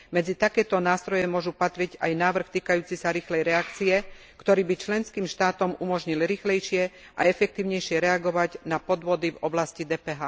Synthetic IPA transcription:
mɛd͡zit̪akɛːt̪ɔnaːst̪ɾɔjɛmʊɔʒupat̪ɾiɟajnaːʋr̩xt̪iːkajuːt͡sisaɾiːxlɛjɾɛakt͡siɛ | kt̪ɔɾiːbit͡ʃlɛnskiːmʃt̪aːt̪ɔmumɔʒɲilɾiːxlɛjʃɪɛ | ʔa̰ɛfɛk̚t̪iːʊɲɛjʃɪɛɾɛaɡɔʋaɟnapɔd̪ʋɔd̪ivɔblascid̪ɛːpɛːɦaː

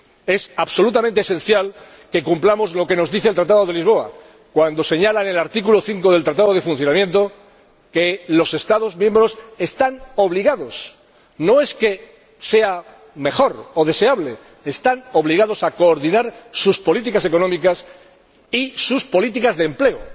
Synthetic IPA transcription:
e̞saβso̞lut̪amẽ̞nt̪ese̞n̟θjal | ke̞kumplamo̞zlo̞ke̞no̞zðiθelt̪ɾat̪aðo̞ðe̞lizβ̞o̞a̰ | kwand̪o̞se̞ɲalane̞laɾt̪ikulo̞θiŋko̞ðe̞lt̪ɾat̪aðo̞ð̞e̞fun̟θjo̞namje̞nt̪o̞ | kelo̞se̞st̪aðo̞zmje̞mbɾo̞se̞st̪ano̞βliɣaðo̞s | no̞e̞ske̞ | se̞a | me̞xo̞ɾo̞ðe̞se̞aβle̞ː | st̪ano̞βliɣ̞aðo̞sako̞ːɾðinaɾsuspo̞lit̪̬ikase̞ko̞nõmikas | isuspo̞lit̪̬ikazðemple̞o

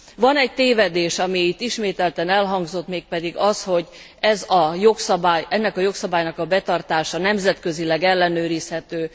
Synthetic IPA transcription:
vɒnɛc̚t̪eːvɛd̪eːʃɒmiit̪ːiʃmeːt̪ɛlt̪ɛnɛlɦɒŋɡzo̞t̪meːk̚pɛd̪iɡɒsho̞ɟ | ɛzɒjo̞ksɒbaːjɛnːɛkɒjo̞ksɒbaːjnɒkɒbɛt̪ɒrt̪aːʃɒnɛmzɛt̪kø̞zilɛɡɛlːɛnøːɾishɛt̪øː

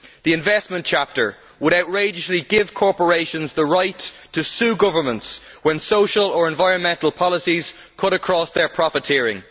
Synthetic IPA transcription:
ðiɪ̃ɱvɛstmə̃nt͡ʃʰap̚tə˞ | wəɾaʊtɹeɪd͡ʒəsliɡɪv̥kʰɔɹpə˞eɪʃə̃nzðəɹaɪtʰː | əsʉːɡʊvə˞mə̃ntswə̃nsoʊʃələ˞ɛ̃nvaɪɹə̃nmɛ̃ntəl̩ˠpʰɑlˠəsiz̥ | kʰʊɾəkʰɹ̥ɔsðə˞pʰɹ̥ɑfɪtʰɪɹɪ̰̃ŋ

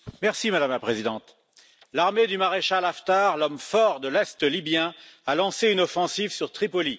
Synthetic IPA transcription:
mɛʁsimad̪amlapχezid̪ɑ̃t̪ | laʁmed̪ymaʁeʃalaft̪aʁlɔmfɔʁd̪əlɛst̪libjɛ̃alɑ̃seynɔfɑ̃sivsyʁt̪χipɔli

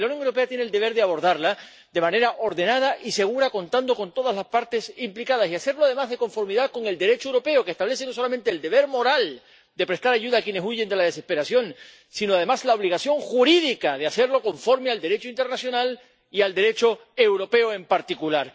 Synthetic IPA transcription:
lauwnjo̞ŋewɾo̞pe̞at̪jeneld̪e̞βe̞ɾðeaβ̞o̞ɾðaɾla | d̪e̞mãne̞ɾaʔo̞ɾðe̞nað̞aʔise̞ɣ̞uɾako̞nt̪and̪o̞ko̞nt̪o̞ð̞azlaspaɾt̪e̞simplikað̞asiase̞ɾlo̞aðe̞mazðe̞ko̞ɱfo̞ɾmiðaðko̞ŋe̞ld̪e̞ɾe̞t͡ʃoewɾope̞oke̞st̪aβle̞senos̬o̞lamẽnt̪e̞ːld̪e̞βe̞ɾmo̞ɾal | d̪e̞pɾe̞st̪aɾaʝuðaːkje̞ne̞suʝe̞nd̪elað̞e̞se̞spe̞ɾasjo̞n | sinoað̞e̞maslao̞β̞liɣasjo̞ŋxuɾiðikaðease̞ɾlo̞ko̞ɱfo̞ɾmeald̪e̞ɾe̞t͡ʃoint̪e̞ɾnasjo̞nal | iald̪e̞ɾe̞t͡ʃo̞e̞wɾo̞pe̞oe̞mpaɾt̪ikulaɾ

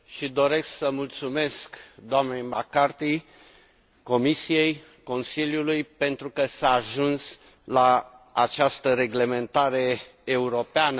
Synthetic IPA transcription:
ʃid̪o̞ɾe̞sksəmult̪sume̞skd̪oamnejmakart̪i | ko̞misije̞j | ko̞nsiljulujpe̞nt̪ɾukəsaːʒuns | laat͡ʃast̪əɾe̞ɡle̞me̞nt̪aɾe̞ːuɾo̞peanə

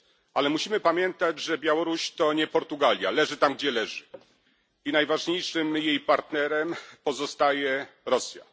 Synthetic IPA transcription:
ʔalɛmuɕimɘpamʲjɛnt̪ad͡ʑʐɛbʲjawɔɾuɕt̪ɔɲɛpɔɾt̪uɡalʲja̰lɛʐɘt̪amɡ̚d͡ʑɛlɛʐɘ | inajvaʐɲejʂɘmjejpaɾt̪nɛɾɛmpɔzɔst̪ajɛɾɔsʲja̰

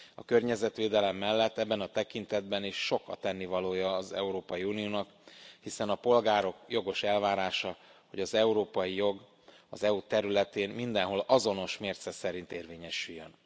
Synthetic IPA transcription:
ɒ̰kø̞rɲɛzɛt̪ʋeːd̪ɛlɛmːɛlːɛt̪ːɛbːɛnɒt̪ɛkint̪ɛd̪̚bɛniʃːo̞kɒ̰t̪ɛnːivɒloːjɒːzɛ̰uɾoːpɒjiuːnijoːnɒk | hisɛnɒpo̞lɡaːɾo̞kjo̞ɡo̞ʃɛlvaːɾaːʃɒho̞ɟɒzɛuɾoːpɒjijo̞ɡ | ɒzɛut̪ɛɾylɛt̪eːnmind̪ɛnɦo̞lɒzo̞no̞ʃmeːrt̪sɛsɛɾint̪eːrveːɲɛʃyjːøn

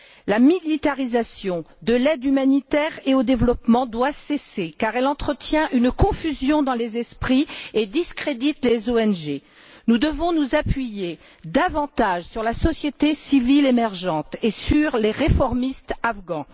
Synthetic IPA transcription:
lamilit̪aʁizasjɔ̃d̪əlɛd̪ymanit̪ɛʁeod̪evlɔpmɑ̃d̪wasesekaʁɛlɑ̃t̪χət̪jɛ̃ʔynkɔ̃fyzjɔ̃d̪ɑ̃lezɛspχied̪iskχed̪it̪lezoɛnʒe | nud̪əvɔ̃nuzapɥije | d̪avɑ̃t̪aʒsyʁlasɔsjet̪esivilemɛʁʒɑ̃t̪esyʁleʁefɔʁmist̪avɡɑ̃

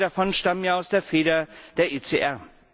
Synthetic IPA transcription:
dafɔnʃtamənjaːʊsd̥eːɐfeːɾɐd̥eːɐʔeːt͡seʔɛɐ

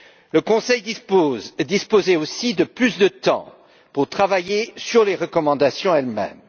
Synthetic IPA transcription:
ləkɔ̃sɛjd̪id̪ispozeosid̪əplysd̪ət̪ɑ̰̃ | puʁt̪χavajesyʁleʁəkɔmɑ̃d̪asjɔ̃ɛlmɛ̰m

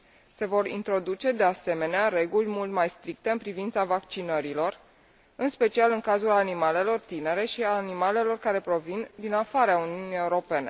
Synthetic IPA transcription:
se̞vo̞ɾḭnt̪ɾo̞d̪ut͡ʃe̞d̪e̞ase̞me̞neaɾe̞ɡulʲmult̪majst̪ɾik̚t̪e̞ɨnpɾivint̪savakt͡ʃinəɾilo̞r | ɨnspe̞t͡ʃialɨŋkazulanimale̞lo̞rt̪ine̞ɾe̞ʃiaːnimale̞lo̞rkaɾe̞pɾo̞vind̪inafaɾeauniunie̞uɾo̞pe̞ne̞

